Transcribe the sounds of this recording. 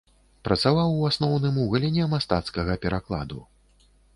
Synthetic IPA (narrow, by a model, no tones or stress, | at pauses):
pɾɐt̪savawasnɔwnɨmuɣɐlʲɛnʲɛmast̪at̪skɐɣɐpʲɛɾaklˠa̰d̪u